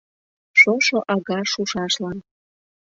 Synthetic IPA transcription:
ʃoʃoʔɑɣɑʃuʃɑʃlɑn

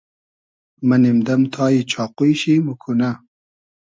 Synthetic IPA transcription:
mɐnimd̪ɐmt̪ʰɑːjit͡ɕʰɑːqujɕimukʰunɐ

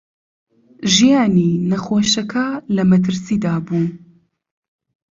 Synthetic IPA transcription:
ʒijaːninɐxoːʃɐkʰɐlɐmɐt̪̬ʰɨɾsiːd̪aːbuː

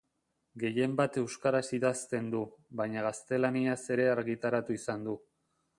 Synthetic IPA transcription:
ɡe̞je̞mbat̪e̞wskaɾasiðast̪e̞nd̪uβaɲaɣast̪e̞laniase̞ɾe̞aɾɣit̪aɾat̪uisand̪u

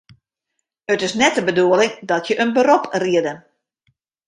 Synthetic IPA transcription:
ətɪsnɛtəbəduəlɪŋdɔtʰjəʔənbəropriədən

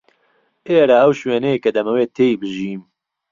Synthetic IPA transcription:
ʔeːɾaʔɐwʃweːnɛjkɐd̪ɐmɐweːt̪ʰeːjbɨʒiːm

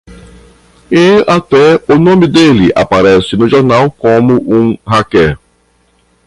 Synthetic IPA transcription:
ẽat̪ɛʊnõmɪd̪elɪʔa̰paɾɛsɪnʊʒoɾnawkõmʊʔũhakɛ

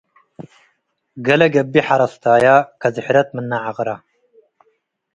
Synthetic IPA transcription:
ɡɐlɐɡɐbːiħaɾɐst̪aːjakʰɐzɨħɾɐt̪̚mɨnːaʕaʁɨɾa

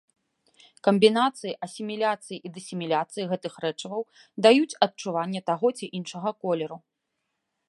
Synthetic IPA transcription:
kɐmbʲinat̪sɨjiʔɐsʲimʲilʲat̪sɨjiʔid̪ɐsʲimʲilʲat̪sɨjiɣɛt̪ɨxɾɛt͡ʂɐvɐw | d̪ajut͡sʲɐt̪̚t͡ʂuvanʲːɛt̪aɣɔt͡sʲiʔinʂɐɣɐkɔlʲɛɾu

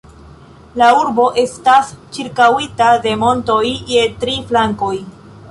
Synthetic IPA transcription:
lauɾbo̞ʔe̞stast͡ʃiɾkawitade̞mo̞nto̞jːe̞tɾiflaŋko̞j

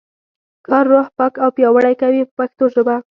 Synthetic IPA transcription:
kɑɾːohpɑkawpjɑwaɽajkawippaxt̪oʒəba

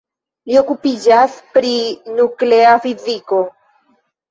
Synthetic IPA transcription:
lio̞kupid͡ʒaspɾinukleafiziko̞

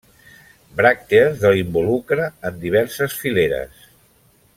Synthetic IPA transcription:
bɾak̚t̪eəzðəlimbulukɾəːnd̪iβ̞ɛɾsəsfileɾə̰s

